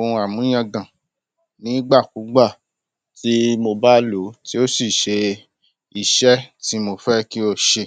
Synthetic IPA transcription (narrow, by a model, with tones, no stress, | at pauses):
o˨˧ũ˧a˨mũ˨˦j̃ã˧ɡã˨ | nĩ˨˦ɡ͡ba˦˨ku˨˦ɡ͡ba˦˨ | ti˦mo˧ba˦lo˨˦ti˦o˦si˦˨ʃe˧ | i˦˨ʃɛ˦ti˨˦mo˧fɛ˦ki˦o˦˨ʃe˧